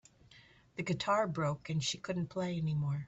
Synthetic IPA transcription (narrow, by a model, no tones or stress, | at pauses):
ðɨɡɨtʰɑɹbɹoʊkɨ̃nʃikʰʊdⁿn̩pʰl̥eɪɛnimɔɹ